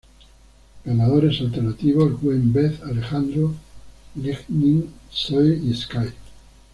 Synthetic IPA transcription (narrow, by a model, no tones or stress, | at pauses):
ɡanaðoɾe̞salt̪e̞ɾnat̪iβosɣwembeθale̞xand̪ɾoliɣnĩŋsojieskaj